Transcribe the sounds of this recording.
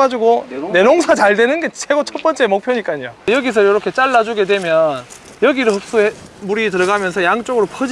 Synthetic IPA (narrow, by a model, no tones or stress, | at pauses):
ad͡ʑuɡone̞noŋsʰat͡ɕaɭdwenɯnɡe̞t͡ɕʰeɡot͡ɕʰʌp͈ʌnt͡ɕ͈e̞mok̚pʰjoɲik͈aɲijojʌɡis̬ʰɯjʌɾʌkʰe̞t͡ɕ͈aɭːad͡ʑuɡe̞dwe̞mjʌn | jʌɡiɾɯɭɦʌp̚s͈uemuɾitɯɾʌɡamjʌnsʰʌjaŋt͡ɕ͈oɡɯɾopʰʌd͡ʑ